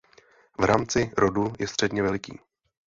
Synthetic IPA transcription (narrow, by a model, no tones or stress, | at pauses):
vɾaːmt͡sɪɾodujɛst̪r̝̥ɛdɲɛvɛlɪkḭː